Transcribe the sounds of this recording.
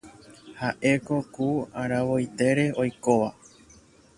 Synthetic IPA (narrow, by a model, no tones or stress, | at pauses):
haʔe̞ko̞kuaɾaʋo̞jt̪e̞ɾe̞o̞jko̞ʋa